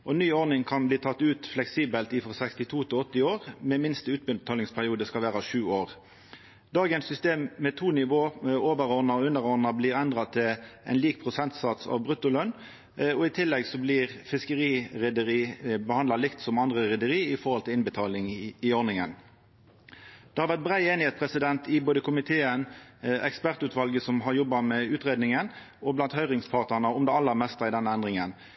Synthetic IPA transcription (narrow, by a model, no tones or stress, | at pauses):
ʔɔnyːɔʁnɪŋkʰɑnbliːt̪ʰɑt̪ːʉːt̪flɛksiːbəlt̪iːfɔsɛkst̪ɪt̪ʰuːt̪ʰɪɔt̪ːɪoːʁmɛmɪnst̪əʉːt̪̚bət̪ʰɑːlɪŋspʰæʁɪuːd̪əskɑlʋæːʁɑʋʃʉːoːʁ | d̪ɑːɡənsʏst̪eːmmɛt̪ʰuːnɪʋoːoːʋəɾɔʁnɑɔʉnːəʁɔʁnɑbliːɾɛnd̪ʁɑt̪ʰɪlʔɛ̰nliːk̚pʰʁʊsɛnt̪sɑt̪sɑ̰ʋbʁʉt̪ʊlœn | ɔɪt̪ʰɪlːɛɡsɔblɪʁfɪskəʁiːʁɛd̪əɾiːbəhɑnd̪lɑlɪkt̪sɔmɑnd̪ʁəʁɛd̪əɾiːɪfɔʁhɔlt̪ɪlɪnbət̪ʰɑːlɪŋɪɔɾnɪŋən | d̪̥ɛhɑɾʋæʁt̪̚bʁæɪeːnɪheːt̪spʰʁɛsɪd̪ɛnt̪ɪboːd̪əkʰʊmɪt̪ʰeːənɛkspæʁt̪ʉːt̪ʋɑlɡəsɔmɦɑɾʁjɔbːɑmɛʉːt̪ʁeːd̪nɪŋən | ɔblɑnt̪hœʏʁɪŋspʰɑʁt̪nəʁnəɔmd̪ɛɑlːəʁmɛst̪ɑɪd̪ɛnːəɛnd̪ʁɪŋən